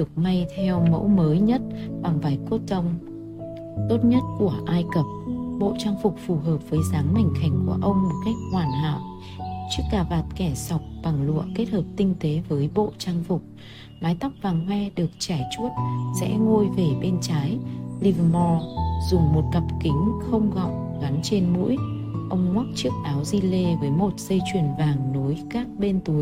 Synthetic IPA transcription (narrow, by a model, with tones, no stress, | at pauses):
ɗɨ˨˩ək̚ma˧jt̪ʰɛ˧wmə̰˧˥wməː˨˦jɲə˦˥t̚ɓa˨˩ŋvaː˨˦jko˦˥t̚t̪ə˧wŋ͡m | t̪o˦˥t̚ɲə˦˥t̚ku˧˩əʔaː˧jkə˨˩p̚ɓo̰˧˨t͡ɕaː˧ŋfʊ˨˩k͡p̚fu˨˩ɦəː˨˩p̚vəː˨˦jzaː˨˦ŋma˨˩jŋ̟xa˨˧˩jŋ̟ku˧˩əʔə˧wŋ͡mmo˨˩t̚ka˦˥jk̚hwaː˧˩nha̰ː˧˨w | t͡ɕi˦˥k̚kaː˨˩vaː˨˩t̚kɛ˧˩sa˨˩wk͡p̚ɓa˨˩ŋlṵ˧˨əke˦˥t̚həː˨˩p̚t̪ï˧ŋ̟t̪e˨˦vəː˨˦jɓo̰˧˨t͡ɕaː˧ŋfʊ˨˩k͡p̚ | maː˨˦jt̪a˦˥wk͡p̚vaː˨˩ŋɦwɛ˧ɗɨ˨˩ək̚t͡ɕaː˧˩jt͡ɕu˦˥ət̚sɛ̰˧˥ŋo˧jve˨˩ɓe˧nt͡ɕaː˨˦jli˧vmɔ˧zʊ˨˩ŋ͡mmo˨˩t̚kə˨˩p̚ki˨˦ŋ̟xə˧wŋ͡mɣɔ̰˨wk͡p̚ | ɣa˨˦nt͡ɕe˧nmṵ˧˥j | ʔə˧wŋ͡mŋu˦˥t̚t͡ɕɨ˦˥ək̚ɗaː˨˦wzi˧le˧vəː˨˦jmo˨˩t̚z̥ə˧jt͡ɕwi˧˩ənvaː˨˩ŋno˨˦jkaː˦˥k̚ɓe˧nt̪u˨˦jj